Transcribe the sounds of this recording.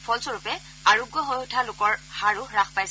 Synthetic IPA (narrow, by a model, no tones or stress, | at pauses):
pʰɔlsoɹupɛ | aɹuɡːɔɦojʊtʰalʊkɔɹxaɹuɹaxʰpajs